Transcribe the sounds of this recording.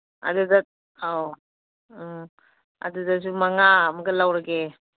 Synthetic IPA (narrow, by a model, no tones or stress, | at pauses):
a̰duda | a | a̰dudas̬umaŋamaɡalawɾaɡe